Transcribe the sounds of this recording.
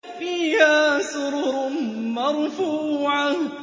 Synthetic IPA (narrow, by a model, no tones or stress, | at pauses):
fiːhaːsʊɾʊɾʊmɑɾˤfuːʕa